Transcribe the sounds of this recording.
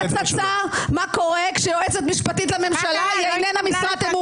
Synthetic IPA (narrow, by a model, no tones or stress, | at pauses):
t͡sat͡samako̞ʁekʃeoeset̪miʃpat̪it̬lame̞mʃalajajnenamisvat̪emu